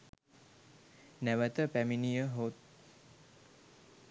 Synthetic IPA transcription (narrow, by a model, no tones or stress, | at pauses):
næʋət̪əpæminijəɦot̪̚